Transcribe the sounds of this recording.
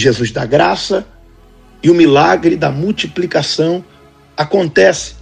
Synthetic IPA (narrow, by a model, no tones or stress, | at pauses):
ʒezuzd̪a̰ɡɾasɐ | ɪʊmilaɡɾɪd̪ɐmuwt͡ʃiplikasɐ̃w̃ | akõnt̪ɛsɪ̥